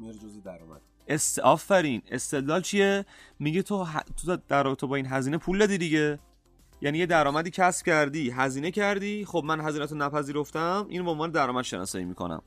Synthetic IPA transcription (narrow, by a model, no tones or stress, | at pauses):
ɾ | esɒːfːæɾine̞st̪e̞d̪lɒːlt͡ʃʰijemiɟet̪ʰoɦt̪ʰod̪æɾrɒːbet̪ʰebɒːinɦæziːnepʰuld̪ɒd̪id̪iɟe̞ | jæniːje̞d̪æɾɒːmæd̪iːcʰæsb̥̚cʰæɾd̪iːɦæziːne̞cʰæɾd̪iːχob̚mænɦæziːnæt̪ʰonæpʰæziːɾoft̪æmʔiːnbeonvɒːned̪æɾɒːmæd̪ʃe̞̰nɒ̰ːsɒ̰ːjḭːmḭːkʰo̰næ̰m